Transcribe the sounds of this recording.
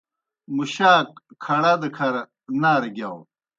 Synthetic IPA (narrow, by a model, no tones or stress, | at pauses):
muɕaːk̚kʰːɐɽad̪əkʰɐɾ | naːɾɡʲjaw